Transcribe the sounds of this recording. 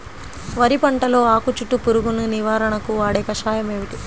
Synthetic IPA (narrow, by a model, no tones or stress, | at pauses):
ʋɐɾipɐɳʈɐlo̞ːaːkut͡ʃuʈːupuɾuɡununiʋaːɾɐɳɐkuʋaːɽɛːkɐʃaːjɐme̞ːʋiʈi